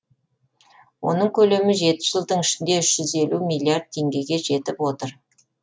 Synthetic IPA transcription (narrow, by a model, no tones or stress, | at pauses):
wo̞̰nəɴkʲʰɵle̞mɪʒe̞t̪ɪ̥ʒəlˠd̪əɴɪʃɪnd̪e̞ʏʃʒ̥ʏze̞lumijlʲiard̪̚t̪ʰe̞ŋɡʲe̞ɡʲe̞ʒe̞t̪ɪpwo̞t̪əɾ